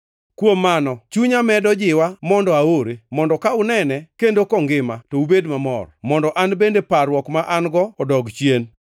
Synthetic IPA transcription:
kwomːanɔt͡ʃuɲamɛdɔd͡ʒɪwamɔndɔaoɾemɔndɔkaʊnɛnɛkendokɔŋɡɪmatoubedmamɔ̰rmɔndɔʔanbendepaɾwɔkmaʔanɡɔɔdɔɡt͡ʃjen

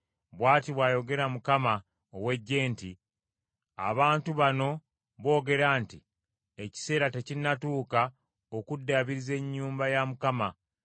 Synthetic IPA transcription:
βwaːtiβwaːjo̞ɡe̞ɾamukama | owe̞ɟːe̞ːnti | a̰βaːntuβano̞ | βo̞ːɡe̞ɾaːnti | eci̥se̞ːɾate̞cinːatuːka | o̞kudːaβiɾize̞ɲːuːmbajamukama

